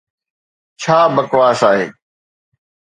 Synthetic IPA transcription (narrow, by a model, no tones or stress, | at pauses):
t͡ʃʰaːbəkʋaːsaːɦḛː